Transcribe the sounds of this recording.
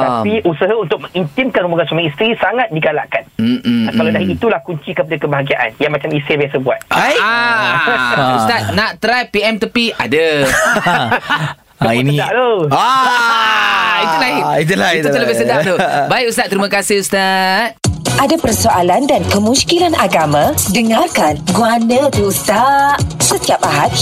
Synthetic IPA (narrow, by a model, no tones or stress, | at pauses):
apiʔusəɦaunt̪ʊk̚mə̃ŋint̪imkanɾubaɡansamãist̪ɾisaŋat̪̚diɡala̰ʔkan̩akaladaɦiit̪ulahkuɲt͡ʃikəpadakəbaɦaɡiaʔa̰njaŋmat͡ʃamisebiasabua̰t̪̚a | ust̪at̚nãʔt̪ɾajpiɛmt̪əpia̰də | ainiaʔt̪oa | iulaiit̪ulat̪ut̪əlabiasadaʔt̪ubaikust̪at̪̚əɾimãkasɪhust̪at̪ʔadapərsoʔalandankəmũskilanʔaɡamãdəŋarkanɡuanãt̪uust̪aʔsət̪iapaɦat̪